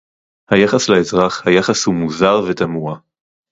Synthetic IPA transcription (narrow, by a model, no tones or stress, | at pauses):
hajaχaslaezʁaχhajaχashumuzaʁvet̪amua